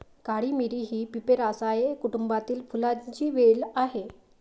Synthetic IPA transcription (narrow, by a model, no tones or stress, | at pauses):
kaɽiːmiɾiːɦiːpipeɾasajekuʈumbat̪iːlfulat͡ɕiːʋelaɦe